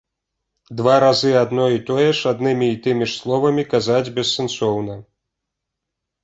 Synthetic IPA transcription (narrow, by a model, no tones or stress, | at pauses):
d̪vaɾazɨad̪nɔit̪ɔjɛʂad̪nɨmʲiːt̪ɨmʲiʂslˠɔvɐmʲikazad͡zʲbʲɛsːɛnsɔwnɐ